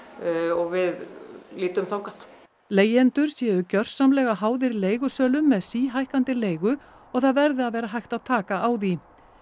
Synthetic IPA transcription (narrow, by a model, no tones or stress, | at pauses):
ɔɣvɪðliːt̪ʏmθawŋkaθ | leːjɛnt̪ʏɾ̥sjɛːðʏcœr̥sːamlɛːɣaɦaːwðɪɾleːjɣʏsœːlʏmːɛðsiːɦajhkant̪ɪleːjɣʏ | ɔɣθaðvɛɾðɪaðvɛːɾaɦajxt̪aðt̪ʰaːkaʔawði